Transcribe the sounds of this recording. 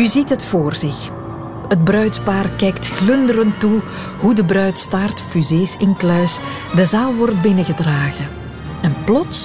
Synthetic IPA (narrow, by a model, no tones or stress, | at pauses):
yzitɦətfoːrzɪx | həd̚brœɥtpaːrkɛjktxlʏndəɾəntu | ɦudəbrœɥtstaːrtfyzeːsɪnklœɥs | dəzaːlˠʋɔrt̚bɪnəɣədraːɣə | ɛnplɔts